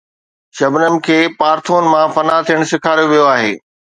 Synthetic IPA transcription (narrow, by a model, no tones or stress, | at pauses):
ʃɐbnənɪ̆kʰeːpaːɾt̪ʰoːnɪ̆mãfɐnat̪ʰijəɽ̃sɪkʰaːɾjoʋijoaːɦḛː